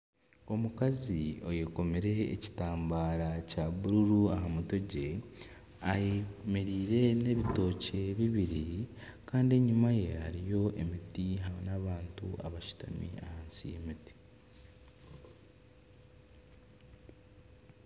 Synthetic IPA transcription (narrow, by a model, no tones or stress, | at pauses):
o̞mukazio̞je̞ko̞meɾe̞̰ːci̥taːmbaɾacaβuɾuɾuahamuto̞ɟe̞ | ajemeɾiːɾe̞ne̞βito̞ːce̞βiβiɾikaːndie̞ɲimaje̞haɾijo̞ʔe̞mitiɦaβo̰naβaːntua̰βaʃu̥ta̰mḭa̰haːnsijḛmiti̥